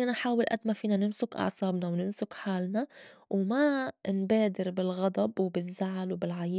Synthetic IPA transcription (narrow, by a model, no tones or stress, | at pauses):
naħaːwɪlʔa̰d̪mafiːnanɪmsʊkʔɑ̰ʕsˤɑːbnawnɪmsʊkħaːlnawmanbeːd̪ɪɾbɪlɣɑd̪ˤɑbwbɪzːaʕlwbɪlʕajiː